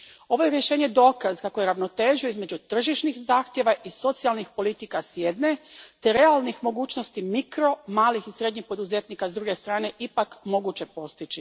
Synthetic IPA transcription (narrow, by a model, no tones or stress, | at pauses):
o̞ʋo̞jeɾje̞ʃeːɲe̞d̪o̞ːkazkakojeɾaʋno̞t̪e̞ːʒijoizme̞d͡ʑut̪r̩ʒiʃnixzaːxt̪jeʋaʔiso̞t̪sialˠnixpo̞lit̪ikasjed̪ne̞t̪e̞ɾe̞alˠnixmo̞ɡuːt͡ʃnost̪imikɾo̞maːlixisɾe̞d̪ɲixpo̞d̪uze̞t̪nikazd̪ɾuɡe̞st̪ɾaːne̞ʔipakmo̞ɡut͡ɕe̞po̞st̪it͡ʃi